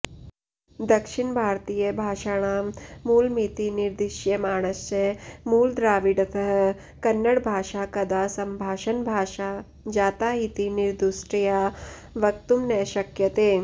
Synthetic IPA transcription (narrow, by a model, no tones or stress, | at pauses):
d̪ɐkʃiɳbʱaːɾt̪iːjɐbʱaːʃaːɳ̃aːmuːlmit̪iniɾd̪iʃjɐmaːɳ̃ɐst͡ʃemuːld̪ɾaːʋiɖɐt̪ʰɐɦ | kɐnːɐɽbʱaːʃaːkɐd̪aːsɐmbʱaːʃɐnbʱaːʃaː | d͡ʒaːt̪aːɦit̪iniɾd̪usʈɐjaːʋɐkt̪umnɛːʃɐkjɐt̪eː